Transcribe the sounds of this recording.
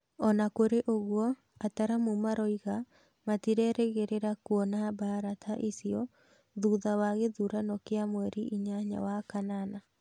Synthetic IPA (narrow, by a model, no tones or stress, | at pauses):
ɔnakoɾeʔoɣwɔ | ataɾamumaɾɔiɣa | matiɾɛɾɛɣeɾeɾakwɔnabaɾatʰaʔesiɔ | ðuðawaɣeðuɾanɔkeamwɛɾiʔiɲaɲa̰wakanana